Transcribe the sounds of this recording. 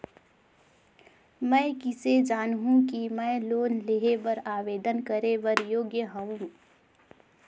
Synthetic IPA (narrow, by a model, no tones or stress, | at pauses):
mɛ̃ɪkɪsed͡ʒaːnɦũkimɛ̃loːnleɦeʋəɾaːʋeːd̪ənkəɾeʋəɾjoːɡjəɦɐũ